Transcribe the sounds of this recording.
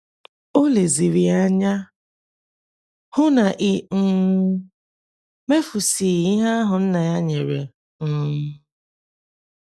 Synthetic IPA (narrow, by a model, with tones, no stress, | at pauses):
o˦le˨zi˨ɾi˨a˦ɲa˦ | hʊ˦na˨ʔɪ˦ŋ̩˦ | me˦fu˨si˨i˦ɦa˦a˦ɦʊ˨n̩˦na˨ja˦ɲe˨ɾḛ˨ | m̩ː˦˨˦